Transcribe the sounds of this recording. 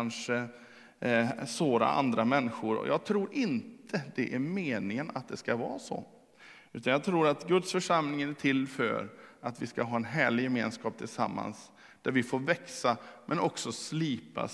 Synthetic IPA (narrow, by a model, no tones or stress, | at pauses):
nʂə | soːɾa̰ʔa̰nd̪ɾamɛnːɪɧʊɾɔ̰jɑːɡ̚t̪ʰɾuːɾʔɪnt̪ʰəd̪̥ɛʔæɾmeːnɪŋənat̪̚d̪ɛskavɑ̰ːsɔ̰ | ʉ̟ːt̪anjɑɡt̪ʰɾuːɾat̪ɡɵt̪sfœʂamlɪŋənæʈʰɪlːfœ̰ɾat̪vɪskaɦɑːɛnɦæːɭɪjɛmeːnskɑːp̚t̪ʰɪlsa̰mːa̰ns | d̪̥æɾvɪfoːɾvɛksamʔɛnɔksɔsliːpa̰